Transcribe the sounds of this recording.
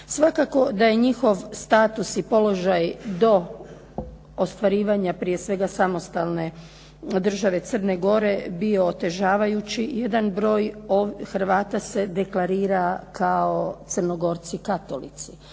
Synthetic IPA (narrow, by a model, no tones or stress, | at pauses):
sʋakako̞d̪aje̞ɲixo̞ʋst̪aːt̪usipo̞lo̞ʒajd̪o̞ | ost̪ʋaɾiːʋaɲapɾije̞sʋe̞ɡasamo̞st̪alˠne̞ | d̪r̩ʒaʋe̞t̪sər̩ne̞ɡo̞ɾe̞bio̞ːt̪e̞ʒaːʋajut͡ɕije̞d̪anbɾo̞ːjoxɾ̩ʋaːt̪ase̞d̪e̞klˠaɾiːɾakʰaot̪sərno̞ɡo̞ɾt̪sikat̪o̞lit̪si̥